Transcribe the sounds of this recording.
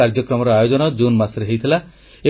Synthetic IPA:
aɾd͡ʒɔkɾɔmɔɾɔajod͡ʒɔnɔd͡ʒunmasɾeɦejt̪ʰila | e

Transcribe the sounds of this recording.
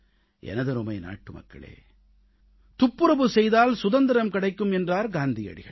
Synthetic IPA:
ʔɛ̰nɐðɯɾʊmɐɪna̰ːʈːɯmɐ̰kːɐ̰ɭḛː | t̪ʊpːɯɾɐbɯsɛjðaːlsʊðɐnd̪ɐɾɐmkɪɽɐɪkːɯmɛndraːɾɡaːnd̪ɪjɐ̰ɽɪ̰ɣɐ̰ɭ

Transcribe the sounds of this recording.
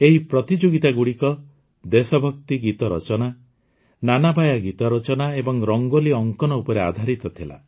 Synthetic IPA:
eɦipɾɔt̪id͡ʒoɡit̪aɡuɽikɔ | d̪esɔbʱɔkt̪iɡit̪ɔɾɔ̰t͡ʃɔna | nanabʱajaɡit̪ɔɾɔt͡ʃɔnaebɔŋɾɔŋɡoliɔŋkɔnɔupɔɾead̪ʱaɾit̪ɔt̪ʰila̰

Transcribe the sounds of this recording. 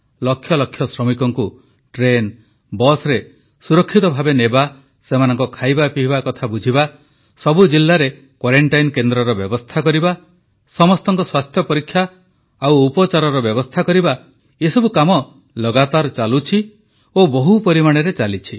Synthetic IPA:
lɔkʰːjɔlɔkʰːjɔsɾɔmikɔŋku | ʈɾen | bɔsɾe | suɾɔkʰːit̪ɔbʱabeneba | semanɔŋkɔkʰajbapiɦbakɔt̪ʰabud͡ʒʱiba | sɔbud͡ʒilːaɾe | kwaɾeɳʈajnkend̪ɾɔɾɔbjɔbɔst̪ʰakɔɾiba | sɔmɔst̪ɔŋkɔswast̪ʰjɔpɔɾikʰːjaː | wːpɔt͡ʃaɾɔɾɔbjɔbɔst̪ʰakɔɾiba | esɔbukamɔ | lɔɡat̪aɾt͡ʃalut͡ʃʰi | obɔɦupɔɾimaɽ̃eɾet͡ʃalit͡ʃʰi

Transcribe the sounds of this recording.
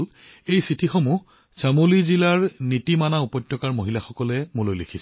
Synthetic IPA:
l | ejsitʰixɔmu | samolizilaɹnitimanaupɔjtjɔkaɹmoɦilaxɔkɔlɛmulojlekʰisɛ

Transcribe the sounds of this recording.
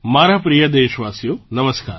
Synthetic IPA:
maːɾapɾijɐd̪eːʃʋaːsijonɐməska̰ːɾ

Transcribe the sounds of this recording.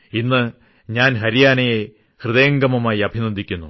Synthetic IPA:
inːɨ | ɲaːnɦɐɾijaːnɐje | hrɨðeːŋɡɐmɐmaːjiɐbʱinɐd̪ːikʲːunːu

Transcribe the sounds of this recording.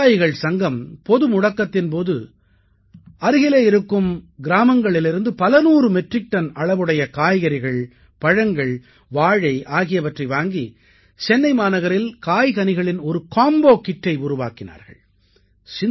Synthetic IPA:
jɣɐɭsɐŋɡɐmpɔðɯmʊɽɐkːɐt̪ːɪnp̬oːðɯ | ɐɾɪɣɪleːɪɾɯkːɯmɡɪɾaːmɐŋɡɐɭɪlɪɾɯnd̪ɯpɐlɐnuːrɯmɛʈrɪk̚ʈːɐnɐɭɐʋɯɽɐjɐkaːjɣɐɾɪɣɐɭ | pɐɻɐŋɡɐɭ | ʋaːɻɐɪʔaːɣɪjɐʋɐʈrɐɪʋaːŋɡi | t͡ʃɛnːɐɪmaːnɐɣɐɾɪlkaːjɣɐnɪɣɐɭɪnɔɾɯkaːmboːkɪʈːɐɪʊɾʊʋa̰ːkɪna̰ːɾɣɐ̰ɭ | sɪ

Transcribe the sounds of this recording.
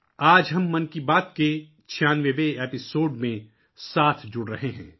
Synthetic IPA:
aːd͡ʒɦɐmːɐnkibaːt̪ke | t͡ʃʰijaːnʋeʋeeːpɪsoːɖmẽ | saːt̪ʰd͡ʒʊɽɾɐɦeɦɛ̰̃ː

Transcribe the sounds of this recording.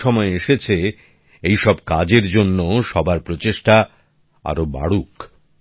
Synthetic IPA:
ɔmɔeeʃet͡ɕʰe | ejʃɔbkad͡ʑeɾd͡ʑonːoʃɔbʱaɾpɾot͡ɕeʃʈa | a̰ɾoba̰ɽuk

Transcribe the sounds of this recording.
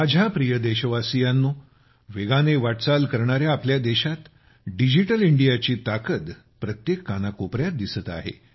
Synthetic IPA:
ad͡ʑʱapɾijəd̪eɕəʋasijanːu | ʋeɡaneʋaʈt͡salkəɾɳaɾjaːpljad̪eɕat̪ | ɖid͡ʑiʈəliɳɖijat͡ɕiːt̪akət̪ | pɾət̪jekːanakopɾjat̪̚d̪isət̪a̰ɦḛ

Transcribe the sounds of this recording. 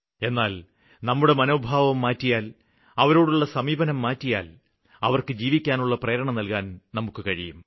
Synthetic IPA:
e̞nːaːl | nɐmːuɽe̞mɐno̞ːbʱaːʋɐmːaːtːijaːl | ɐʋɐɾo̞ːɽuɭːɐsɐmiːbɐnɐmːaːtːija̰ːl | ɐʋɐrkɨd͡ʑiːʋikʲːaːnuɭːɐprɐjɾɐɳɐmnɐlkaːnnɐmukːɨkɐɻijum

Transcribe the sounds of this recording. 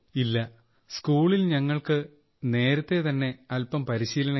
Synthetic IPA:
ilːɐ | skuːɭilɲɐŋːɐɭkɨ | ne̞ːɾɐt̪ːe̞t̪ɐnːe̞ɐlpɐmpɐɾiɕiːlɐɳɐ

